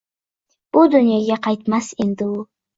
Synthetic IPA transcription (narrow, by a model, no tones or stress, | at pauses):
b̥ud̪ynijeɡʲeqɑjt̪mɑsend̪ɪulˠ